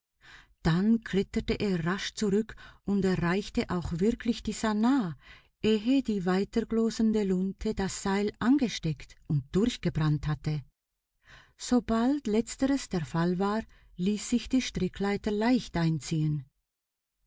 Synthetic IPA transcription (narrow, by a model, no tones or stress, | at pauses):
d̥ankʰlɪtətəʔeːɐʁaʃt͡suʁʏkʔʊntɛɐʁaɪçtəʔaʊxv̥ɪɐkʰlɪçd̥iːzanaː | ʔeːɦədiːvaɪtəɡloːzəndəlʊntʰəd̥asz̥aɪlʔanɡəʃtɛktʊnt̚d̥ʊʁçɡ̥əbʁanthatə | z̥obaltlɛt͡stəʁəsd̥eːɐfalvaːʁ | liːsz̥ɪçd̥iːʃtʁ̥ɪkʰlaɪtəlaɪçtʔaɪnt͡siːən